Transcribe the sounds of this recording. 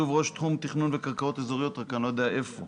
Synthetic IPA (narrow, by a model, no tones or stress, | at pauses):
uvʁo̞ʃt̪χumt̪iχnunvekaʁkao̞t̪ezoʁijot̪ʁakanlo̞jed̪ejaʔe̞fo